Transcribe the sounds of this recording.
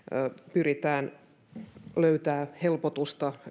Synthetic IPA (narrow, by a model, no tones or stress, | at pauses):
pyrit̪æːn | løyt̪æːhelpot̪ust̪ɑ